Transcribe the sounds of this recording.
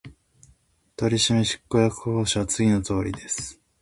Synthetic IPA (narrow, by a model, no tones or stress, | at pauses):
t̪o̞ɾʲiɕimeɕi̥kːo̞jakɯ̟ho̞ːɕiβat͡sɨɡʲino̞t̪o̞ːɾʲid̪e̞sɨ̥